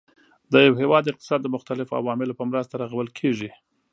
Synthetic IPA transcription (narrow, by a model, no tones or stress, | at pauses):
d̪əjawhewɑd̪ːəɪq̚t̪ɪ̥sɑd̪ːəmʊxt̪alɪfoa̰wɑmɪlopəmɾəst̪aɾaɣawəlkʰeʐi